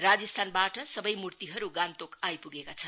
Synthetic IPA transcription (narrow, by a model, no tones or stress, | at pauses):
rad͡zʌst̪ʰanbaʈʌsʌbʌjmurt̪iɦʌɾuɡant̪okajpuɡekat͡sʰʌn